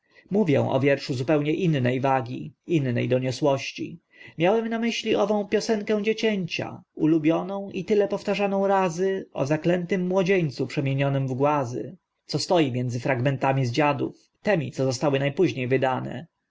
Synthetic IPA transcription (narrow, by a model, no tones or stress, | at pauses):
muvʲjɛ̰̃w̃ʔɔ̰vʲjɛɾʂuzupɛwɲɛʔinːɛjvaɡʲiinːɛ̰jd̪ɔɲɔswɔɕt͡ɕḭ | mʲjawɛmnamɘɕlʲiɔvɔ̃w̃pʲjɔsɛŋkɛ̃w̃d͡ʑet͡ɕɛɲt͡ɕa̰ulubʲjɔnɔ̃w̃ʔit̪ɘlɛpɔft̪aʐanɔ̃w̃ɾazɘɔ̰zaklɛnt̪ɘmːwɔd͡ʑeɲt̪supʂɛmʲjeɲɔnɘmvɡwazɘ̰ | t̪sɔst̪ɔjimʲjɛnd̪zɘfɾaɡmɛnt̪amʲizd͡ʑad̪ṵf | t̪ɛmʲit̪sɔzɔst̪awɘnajpuʑɲejvɘd̪anɛ̰